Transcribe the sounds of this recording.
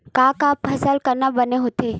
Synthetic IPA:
kaːkaːpʰɐsəlkɐɾnabɐneɦoːt̪eː

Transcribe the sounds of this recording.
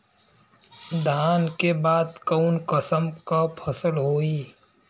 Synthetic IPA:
d̪ʱaːnkebaːd̪kəʊnkəsəmkapʰəsəlɦoːiː

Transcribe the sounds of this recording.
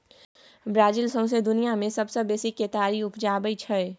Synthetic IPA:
bɾaːd͡ʒilsə̃ʊ̃s̬ed̪ʊnijamẽsəbsəbeːsiket̪aːɾiʊpd͡ʒabəjt͡ʃʰɛɛ

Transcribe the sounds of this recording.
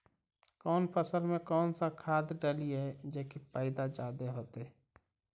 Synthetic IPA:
kɔːnpʰəsəlmẽkɔːnsãkʰaːd̪ɖəlied͡ʒekipəɪd̪ad͡ʒaːd̪eɦoːt̪e

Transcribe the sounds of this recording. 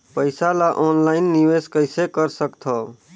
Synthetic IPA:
pəɪsalaʔɔnlaɪnːiʋeskəɪsekəɾsəkt̪ʰɔ

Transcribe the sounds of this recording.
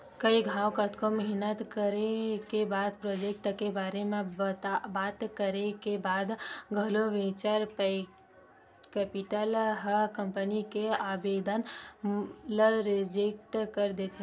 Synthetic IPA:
kəiɡʱaːokət̪koməɦinət̪kəɾekebaːd̪pɾod͡ʒek̚ʈkebaːɾemẽbaːt̪kəɾekebaːd̪ɡʱəloʋẽt͡ʃaɾpe | kɛːpiʈəlɦəkəmpənikeaːbed̪ən | ləɾed͡ʒek̚ʈkəɾd̪et̪ʰe

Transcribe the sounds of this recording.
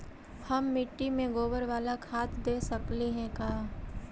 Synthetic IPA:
hɐmːɪʈːimẽɡoːbəɾʋaːlakʰaːt̪ʰd̪eːsəkliɦɛ̃kaː

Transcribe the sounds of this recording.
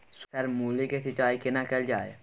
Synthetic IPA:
ssɐɾmuːlikesɪt͡ʃaːikɪnakɐld͡ʒaːe

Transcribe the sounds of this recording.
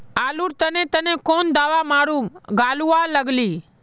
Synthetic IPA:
aːluɾt̪ənet̪ənekond̪aːʋamaɽumɡaːlualəɡli

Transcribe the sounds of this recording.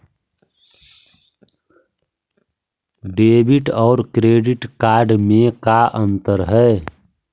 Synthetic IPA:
ɖeːbɪʈɔːɾkɾeːɖɪʈkaːɾɖmẽkaʔə̃nt̪əɾɦɛː

